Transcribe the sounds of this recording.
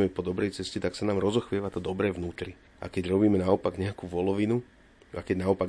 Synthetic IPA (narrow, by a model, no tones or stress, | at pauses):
mɛpɔd̪ɔbɾɛjt͡sɛscɛt̪aksanaːmɾɔzɔxʋɪɛʋat̪ɔd̪ɔbɾɛːʋnuːt̪ɾi | ʔa̰kɛɟɾɔbiːmɛnaɔpaɡɲɛakuːʋɔlɔʋinu | akɛɟnaɔpaɡ